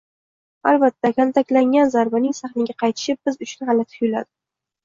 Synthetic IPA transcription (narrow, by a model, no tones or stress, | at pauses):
albat̪ʰːakʲʰant̪ʰakʲlaŋʲanzaɾbanɪŋsaχnɪɡʲaqʰɑjt̪ʰɪ̥ʃɪp̚b̥ɪzʊt͡ʃʰʊnhɑlat̪ʰʊ̥jʊla̰d̪ɪ